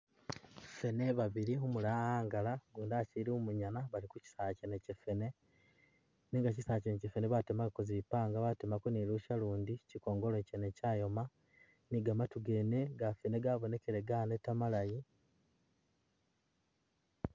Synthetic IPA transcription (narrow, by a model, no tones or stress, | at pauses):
fe̞ne̞βaβiɾiomulaaːŋɡalaɡuːndaciɾiomuɲanaβalikuci̥saːcenecefene̞ | niŋɡacisaːcenecefene̞βatemaikoziβipaːŋɡaβatemakuniluʃaluːndiciko̞ːŋɡolecenecaːjo̞ma | niɡamatuɡe̞ːne̞ɡafene̞ɡaβo̞ne̞ke̞ɾeɡanetːamalaji